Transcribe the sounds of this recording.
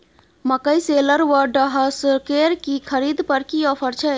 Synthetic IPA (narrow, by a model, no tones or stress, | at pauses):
məkəjseləɾʋəɾɖəɦəskeːɾkikʰəɾiːd̪pəɾkiɔːpʰəɾt͡ʃʰɛ